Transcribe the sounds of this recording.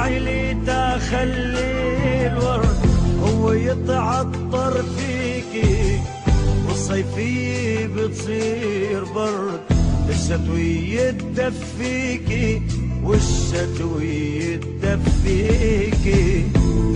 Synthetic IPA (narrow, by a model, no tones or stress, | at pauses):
ʕɪli | t̪axalːilwɑɾˤhʊwːajɪt̪ˤʕɑt̪ˤːɑɾˤfiːki | wɨsˤːɑjfɪjibɪt̪sˤiːɾbɑɾˤd̪ʔɪʃːat̪wijɪd̪afːiːkiwɪʃːat̪wiɪ | d̪ːafːiːki